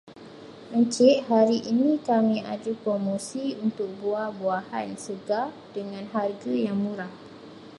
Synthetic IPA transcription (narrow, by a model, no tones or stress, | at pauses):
ʔəɲt͡ʃɪʔhaɾiʔinĩkamĩad͡ʒupɾomosiunt̪ʊk̚buahbuahansəɡa | d̥əŋãnɦarɡajaŋmũɾah